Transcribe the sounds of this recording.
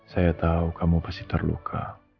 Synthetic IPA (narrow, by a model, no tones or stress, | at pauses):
sajat̪aukʰamupḁsi̥t̪ərlṵkʰa̰